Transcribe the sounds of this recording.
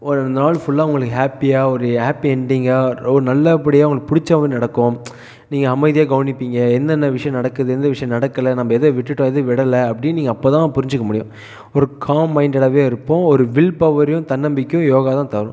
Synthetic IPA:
ɔɐnd̪ɐnaːɭfʊɭːaːʊŋɡɐɭɯkːɯɦaːpːijaːɔɾɯaːpɛɳɖiːŋɡɐɔɾɯnɐlːɐpɐɽɪjaːʋʊŋɡɐɭɯkːɯpʊɽɪt͡ʃːɐːmnɐɽɐkːʊ̃ | niːŋɡɐːmɐɪðɪjaːɡɐʋɐnɪpːiːŋɡɐɛnd̪ɐnːɐʋɪʂɐjɐ̃nɐɽɐkːɯðɯɛnd̪ɐʋɪʂɐjɐ̃nɐɽɐkːɐlɐnɐmːbɐɛðɐʋɪʈːɯʈːõɛðɯʋɪɽɐlɐːpːɐɽɪnniːŋɡɐːpːoːt̪ãːpʊɾɪɲd͡ʒɯkːɐmʊɽɪjʊ̰̃ | ɔɾɯkʰaːmmɐɪɳɖɐɽɐʋeːɪɾɯpːõɔɾɯʋɪlpɐʋɐɾɐjʊ̃t̪ɐnːɐmbɪkʲːʊ̃joːɣaːt̪ãːt̪ɐɐɾʊ̰̃

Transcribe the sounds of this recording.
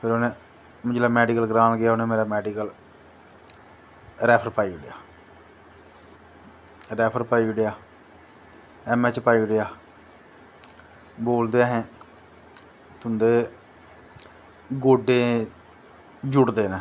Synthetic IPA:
pʰɪɾoːnẽː | mə̃ɲd͡ʒlaːmɛːɖikəlɡɾãːnɡɪjaːoːnẽːmeːɾaːmɛːɖikəl | ɾɛːpʰəɾpaːiːɪɖejaː | ɾɛːpʰəɾpaːiʋɪɖejaː | ɛːmɛːt͡ʃpaːiːɪɖejaː | boːld̪eːãːɦɛ̃ː | t̪ʊnd̪eː | ɡoːɖeː | d͡ʒʊʈd̪eːnɛ̃ː

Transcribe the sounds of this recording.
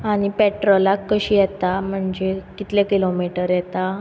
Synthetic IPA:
aɽ̃ipeʈɾɔlakːəɕiːjɛt̪am̤əɳd͡ʑekit̪lekilomiʈəɾjɛt̪a

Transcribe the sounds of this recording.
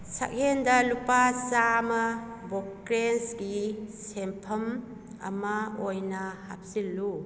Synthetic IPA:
sa̰k̚hendɐlupasamɐ | bok | ɾensɡisempʰɐm | ɐ̰maojnɐha̰p̚silːu

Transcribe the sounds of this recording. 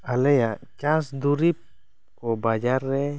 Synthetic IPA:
alɛjat͡ʃasd̪uɾip̚ | kɔbad͡ʒarːɛ

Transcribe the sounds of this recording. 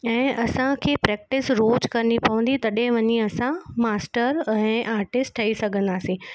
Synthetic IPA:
ɛ̃ːʔɐsãkʰeːpɾɛːk̚ʈɪsɾoːd͡ʑkɐɾnipɐʋə̃nd̪it̪ɐɗẽʋɐɲiɐsãmaːsʈəɾɛ̃ːʔaːɾʈɪsʈʰːɐisɐɡʱə̃nd̪aːsĩ

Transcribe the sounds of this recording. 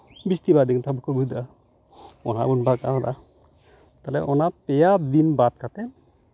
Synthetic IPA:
bist̪ibad̪ikt̪ʰabukubud̪a | ɔ̰nabunbaɡaɦɔd̪a | t̪alɛʔɔnapɛjad̪inbat̪̚kat̪ɛn

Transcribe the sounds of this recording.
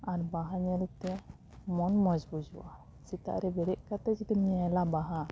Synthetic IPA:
aɾbaɦaɲɛlit̪ɛ | mɔnmɔd͡ʒbɔd͡ʒuwʔa | sit̪a̰ʔɾɛbɛɾɛʔkat̪ɛd͡ʒid̪imɲalabaɦa

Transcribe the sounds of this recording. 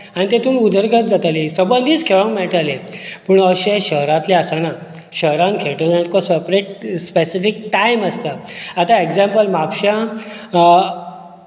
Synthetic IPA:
añit̪et̪ʰuːnud̪ʱəɾɡət̪̚d͡zat̪alisəbənd̪ʱiːt͡skʰeɭə̃ŋkmɛɭʈalepəːɳəɕeɕəɦɾãt̪leəsana | ɕəɦɾãnkʰeɭʈ̪unãt̪̚kɔsəpɾeʈspesifikʈajməst̪aat̪aeɡd͡zãmpəlmapɕã

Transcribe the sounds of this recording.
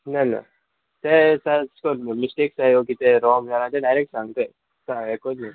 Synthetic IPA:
nana̰ | t̪esaskonmisʈeːksajokit̪eɾɔmd͡ʒanãt̪ẽɖajɾek̚ʈsãŋɡt̪e | sãekona

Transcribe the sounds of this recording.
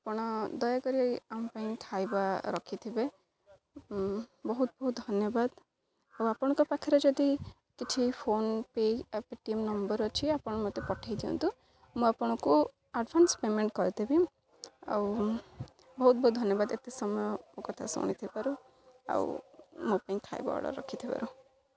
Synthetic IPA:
apɔɽ̃ɔd̪ɔjaɡɔɾiɔiamɔpaĩtʰajbaɾɔkʰit̪ʰibe | bɔɦut̪̚bɔɦut̪̚d̪ʱɔnjɔbad̪ | awapɔɽ̃ɔ̃ŋkɔpakʰiɾɔd͡ʒɔd̪i | kit͡ʃʰipʰonpepeʈiemnɔmbɔɾɔt͡ʃʰiapɔɽ̃ɔmɔt̪epɔʈʰajd̪iṵnt̪u | mũapɔɽ̃ɔku | aɖbʰʱanspemeɳʈkɔɾit̪ebi | a̰w | bɔɦut̪̚bɔɦut̪̚d̪ʱɔnjɔbad̪et̪esɔmɔjɔmkɔt̪ʰa̰sṵɽ̃it̪ʰibaɾu | a̰w̰mopaĩt̪ʰa̰jba̰ɔ̰ɽɔ̰ɾɔ̰kʰit̪ʰiba̰ɾu

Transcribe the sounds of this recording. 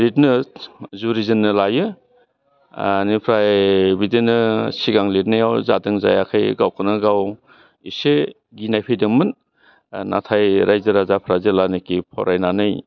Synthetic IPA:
litnɯzuɾizɯnːɯlajɯ | nipʰɾajbidenɯsiɡaŋlit̚nɯjawza̰dɯŋza̰jakʰajɡawkʰɯnɯɡaw | ise | ɡinajpʰejdɯŋmɯn | na̰tʰajɾajzɯɾazapʰɾazɯlanɯkipʰa̰wɾajnanɯj

